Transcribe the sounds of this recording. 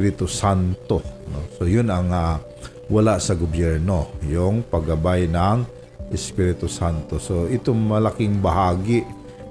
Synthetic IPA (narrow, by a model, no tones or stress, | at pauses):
ɾɪt̪ʊsant̪o̞nosojʊnɐŋa | wɐlaʔsɐɡobjɛɹno̞jʊŋpɐɡɐbajnaŋ | ʔɪspiɾɪt̪ʊsant̪osoʔɪt̪oŋmɐlakɪŋbɐɦaːɡɪʔ